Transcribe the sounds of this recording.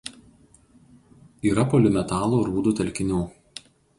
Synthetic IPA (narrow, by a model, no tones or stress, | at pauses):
iːɾɐpoːlʲɪmʲɛt̪ɑːlˠoːɾuːd̪uːt̪ʲɛlʲkʲɪnʲuː